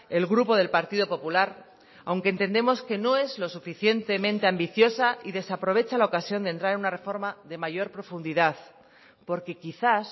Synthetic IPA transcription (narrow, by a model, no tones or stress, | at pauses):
e̞lɣɾupo̞ð̞e̞lpaɾt̪iðopo̞pulaɾ | awŋkent̪e̞nd̪e̞mo̞ske̞no̞e̞zlo̞sufiθje̞nt̪e̞mẽnt̪e̞ambiθjo̞saiðe̞sapɾo̞βe̞t͡ʃalaokasjo̞nd̪e̞nt̪ɾaɾe̞nunare̞fo̞ɾmaðe̞maʝo̞ɾpɾo̞fund̪iðað | po̞ɾke̞kiθas